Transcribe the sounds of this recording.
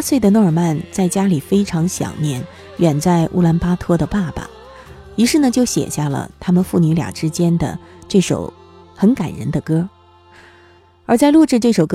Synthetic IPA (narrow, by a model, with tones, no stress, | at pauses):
a˥swe˥˩ɪd̪ə˩nɔ˥˩ə˞˨˩ma˥˧nt͡sa˥˩ɪt͡ɕja˥li˨˩fe˥ɪʈ͡ʂʰɑ˧˥ŋɕjɑ̰˨˩ŋnjɛ˥˩n | ɥɛ˨˩nt͡sa˥˧ɪʔṵ˥˩la˧˥npa˥t̪ʰɤ˥d̪ə˨pa˥˩ba̰˩ | i˧˥ʂɻ̩˥˩nə˨˩t͡ɕjo˥˩ʊɕjɛ̰˨˩ɕja˥˩lə̰˩t̪ʰa˥mə˨nfu˥˩ny˧˥lja̰˨˩ʈ͡ʂɻ̩˥t͡ɕjɛ˥nd̪ə̰˨˩ʈ͡ʂɤ˥˩ʂo̰˨˩ʊ | xə˧˥nka̰˨˩nɻə̰˧˥nd̪ə˧kɤ˥ | ə˞˧˥t͡sa˥˧ɪlu˥˧ʈ͡ʂɻ̩˥˧ʈ͡ʂɤ˥˩ʂo˨˩ʊk